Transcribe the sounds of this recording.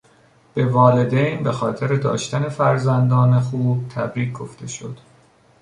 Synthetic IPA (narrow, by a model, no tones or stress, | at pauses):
b̥e̞vɒːle̞d̪ejnbe̞xɒːt̪ʰe̞ɾe̞d̪ɒ̰ːʃt̪æne̞fæɾzænd̪ɒːne̞xuːb̥̚t̪ʰæ̰bɾiːk̚ʰɡo̞ft̪e̞ʃo̞̰d̪̥